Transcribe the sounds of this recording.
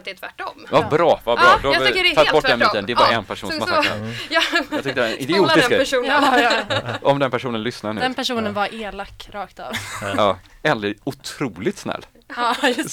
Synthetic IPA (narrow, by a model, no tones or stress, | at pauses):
t̪̚d̪ɛt̪væʈːɔmabɾɑːvabɾɑːd̪ɔfat̪ːɔʈd̪ɛnmiːt̪ːənd̪ɛaɾʔɛnpʰæʂṵːnsmaa̰ | ɑt̪ʏkt̪əɾɛnʔɪd̪ɪuːt̪ɪsk̪æʂuːnə | ɔmd̪ɛnpʰæʂuːnənlʏsnaɳʉd̪ɛnpʰæʂuːnənvaɾʔeːlakːɾɑːkt̪ɑ̰ːvɑː | ɛləʊt̪ʰɾuːlɪt̪snɛ̰lː